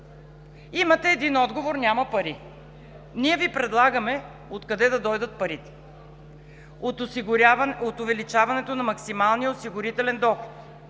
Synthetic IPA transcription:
imɐt̪ɛːd̪inɔd̪ɡovoɾnʲamɐpɐɾi | niɛvipɾɛd̪lˠaɡəmɛ | ot̪kɐd̪ɛd̪ɐd̪ɔjd̪ət̪̚pɐɾit̪ɛ̥ | ot̪ʊvɛlit͡ʃavɐnɛt̪onɐmɐksimalˠnijəosiɡʊɾit̪ɛlɛnd̪ɔxlot̪

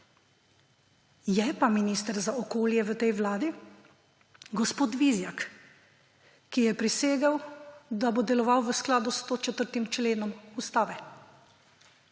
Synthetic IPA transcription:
jɛpaminiːst̪əɾzaɔkoːljɛʋət̪ɛjʋlaːd̪i | ɡɔspoːt̪ʋizjak | kːijɛpɾiseːɡawd̪abod̪ɛlɔʋawʋəsklaːd̪ust̪ot͡ʃɛt̪əɾt̪imt͡ʃleːnɔmust̪aːʋɛ

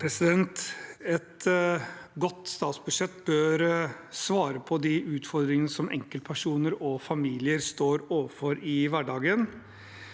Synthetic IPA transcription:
pʰɾɛsɪd̪ɛnt̪ɛt̪ | ɡɔt̪ːst̪ɑːt̪sbʉd̪ʂɛt̪ːbøːɾsʋɑːɾəpʰɔd̪ɪʔʉːt̪fɔɾd̪ɾɪŋənəsɔmʔɛ̰ŋkəlpʰæʂuːnəɾɔfɑmiːlɪəɾst̪oːɾoːʋəɾfɔɾɪʋæɖɑːɡən

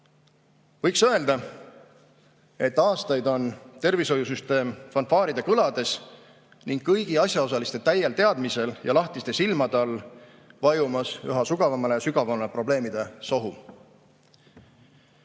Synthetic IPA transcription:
vɤjksø̞e̞ld̪̥ɑ | e̞t̪ːɑːst̪ɑjd̪o̞nt̪e̞rviso̞jusyst̪e̞ːmfɑnfɑːɾid̪e̞kɯlɑd̪e̞s | niŋɡ̥kːɤjɡ̥iɑsʲjɑo̞s̬ɑlist̪e̞t̪æjːelt̪e̞ɑd̪̥mise̞ljɑ̰lɑht̪ist̪e̞silmɑd̪eɑlː | vɑjumɑsy̰ɦɑsuɡ̥ɑvɑmɑlesyɡ̥ɑvɑmepro̞ble̞ːmid̪̥e̞so̞ɦu

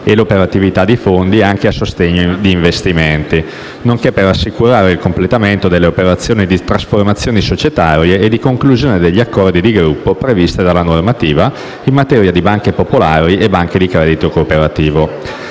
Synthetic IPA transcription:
elopeɾat̪ivit̪ad̪ːifond̪iaŋkeasːost̪eɲːod̪iːɱvest̪iment̪i | noŋkepːerasːikuɾaːɾeilkomplet̪ament̪od̪elːeopeɾat̪sːjoːnid̪it̪ɾasformat̪sːjoːnisot͡ʃet̪aːɾjeːd̪ːikoŋkluzjoːned̪eʎːiakːɔrd̪id̪iɡɾupːopɾevist̪ed̪alːanormat̪iːva | imːat̪ɛːɾjad̪ibaŋkepopolaːɾiʔebaŋked̪ikɾɛːd̪it̪okoːpeɾat̪iːvo

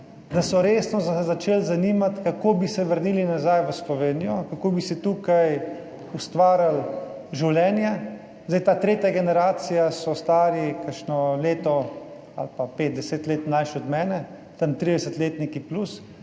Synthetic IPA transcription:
d̪asɔɾeːsnɔzazat͡ʃeːlzaniːmat̪kakoːbisɛʋəɾniːlinazajʋəslɔʋeːnijɔkakoːbisɛt̪uːkaj | ust̪ʋaːɾjal | ʒiwlɛːnja | zd̪ajt̪aːt̪ɾeːt̪jaɡɛnɛɾaːt̪sijasɔst̪aːɾikəʃnɔleːt̪ɔ | a̰lpapeːt̪̚d̪ɛseːt̪leːt̪najʃɔd̪mɛːnɛ | t̪ənt̪ɾiːd̪ɛsət̪leːt̪nikiplus

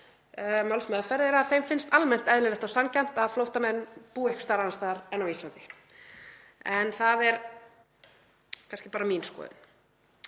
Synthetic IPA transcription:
malsmɛːðafɛɾðɪɾaðθejmfɪnst̪almɛn̥t̪ɛðlɪlɛht̪awsamcajm̥t̪aðflowht̪amɛnːpuːɛhkst̪aːɾanast̪aːðaɾɛnːawist̪lant̪ɪ̥ | ɛnθaðɛɾ | kʰanscɪpaːɾamiːnskɔ̰ːðɪ̰n

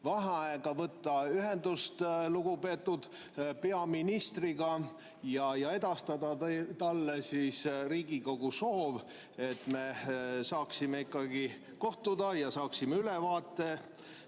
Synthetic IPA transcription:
vɑɦɑɑeɡ̥ɑvɤt̪ˑːɑyɦe̞nd̪̥ust̪luɡ̥upe̞t̪ːud̪̥ | pe̞ɑminist̪riɡ̥ɑ | jɑjɑe̞d̪̥ɑst̪ɑd̪ɑt̪ɑlːesisriːɡiko̞ɡ̥uso̞ːv | e̞t̪ˑme̞sɑːksimeikːˑɑɡi | ko̞ht̪ud̪̥ɑjɑsɑːksimeylevɑːt̪ːˑe̞

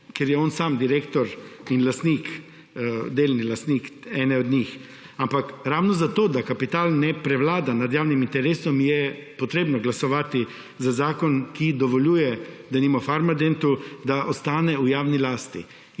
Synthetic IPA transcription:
keɾjɛɔːnsaːmd̪iɾeːkt̪ɔɾinlast̪nik | d̪eːlnilast̪nikɛːnɛɔd̪ɲix | ampakɾawnɔzat̪oːd̪akapit̪aːlnɛpɾɛʋlaːd̪anad̪jaːwnimint̪ɛɾeːsɔmjɛpɔt̪ɾeːbnɔɡlasɔʋaːt̪i | zazaːkɔnkid̪ɔʋɔljuːjɛd̪animafaɾmad̪ent̪ud̪aʔɔst̪aːnɛujaːwnilaːst̪ḭ

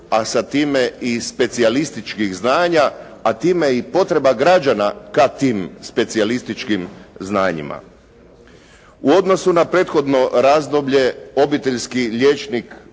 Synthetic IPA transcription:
asat̪iːme̞ispe̞t̪sialist̪it͡ʃkixznaːɲaː | t̪iːme̞ipo̞t̪ɾe̞baɡɾad͡ʒanakat̪iːmspe̞t̪sialist̪it͡ʃkimznaːɲḭma̰ | uo̞d̪no̞sunapɾe̞ːt̪xo̞d̪no̞ɾaːzd̪o̞bʎe̞o̞bit̪e̞ʎskiʎeːt͡ʃnik

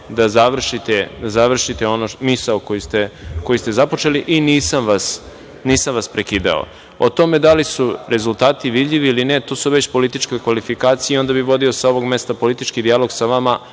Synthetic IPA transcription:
d̪azaʋr̩ʃit̪ed̪azaʋr̩ʃit̪eo̞nomisaokojist̪eko̞jist̪e̞zapo̞t͡ʃe̞liʔiniːsamʋas | niːsamʋaspɾekiːd̪a̰o̰ | ot̪o̞me̞d̪alisuɾe̞zulˠt̪aːt̪iʋid̪ʎiʋiilinet̪oːsuʋe̞t͡ɕpo̞lit̪it͡ʃkekʋalifikaːt̪sijeo̞nd̪abiʋo̞d̪io̞sao̞ʋo̞ɡme̞st̪apo̞lit̪it͡ʃkid̪ialˠo̞ɡsaʋama

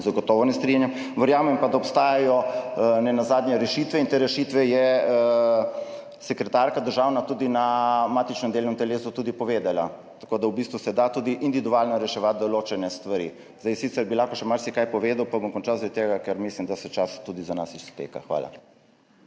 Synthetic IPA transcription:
zaɡɔt̪ɔːʋɔnɛst̪ɾinjɛm | ʋəɾjaːmɛmpad̪aɔpst̪aːjajɔnɛnazaːd̪njɛɾɛʃit̪ʋɛint̪eːɾɛʃit̪ʋɛjɛ | sɛkɾɛt̪aɾkad̪əɾʒaːwnat̪uːd̪inamaːt̪it͡ʃnɛmd̪elnɔmt̪ɛleːsut̪ud̪ipɔʋeːd̪ala | t̪ḁkoːd̪awbist̪ʋusɛd̪at̪uːd̪iʔind̪iʋid̪uaːlnɔɾɛʃɛʋat̪̚d̪ɔloːt͡ʃɛnɛst̪ʋaɾḭ | zd̪ajsiːt̪sɛɾbilaxkɔʃɛmaɾsikajpɔʋeːd̪awpabɔmkɔnt͡ʃawzʋɛt̪eɡakɛɾmislimd̪asɛt͡ʃast̪uːd̪izanasisp̪ḛːka̰xʋa̰ːla̰

